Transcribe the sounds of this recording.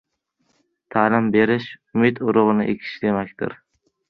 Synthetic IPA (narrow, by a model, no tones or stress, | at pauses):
t̪ʰaːlɪmbe̞ɾɪʃʊmɪt̪ʊɾʊʁɨnɪʔekʲʰɪ̥ʃd̪e̞makʲt̪ɪ̰ɾ